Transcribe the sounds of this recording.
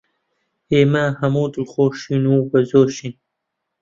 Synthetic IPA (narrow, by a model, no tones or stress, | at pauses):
eːmaɦɐmuːt̪ulxoːʃinubɐzoːʃin